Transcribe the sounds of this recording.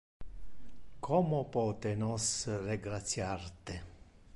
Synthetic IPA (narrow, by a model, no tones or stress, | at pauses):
kʰɔmʊpɔːt̪ɪnɔsrɪɡɾat̪sːjart̪ɪ